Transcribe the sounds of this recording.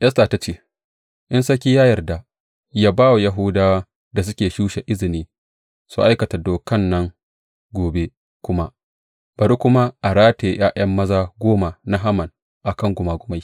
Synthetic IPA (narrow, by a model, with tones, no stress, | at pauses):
ʔjɐ˦sta˨ta˦t͡ʃeː˦ | ʔɪ˦nsɐ˦kʲiː˦jaː˦jɐ˨rda˨ | jaː˦baː˦wa˨ja˦ɦʊ˦daː˦wa˦ | da˨s̬ʊ˦kʲeː˨ʃuː˦ʃe˨ʔɪ˦zɪ˨niː˦ | su˦˨ʔa˦jkɐ˨ta˨doː˨kɐ˦nːɐ˦ŋ | ɡʷoː˨be˦ | kʷʊ˦ma˦ | b̥ɐ˨ɾu˦kʷʊ˦ma˦ʔa˨ɾaː˦teː˨j̰aː˦ʔɐ˦mːɐ˦zaː˦ɡʷoː˦ma˨na˦ɦa˦mɐ˨n | ʔa˨kɐ˦ŋɡʷʊ˨maː˨ɡʷʊ˦ma˦j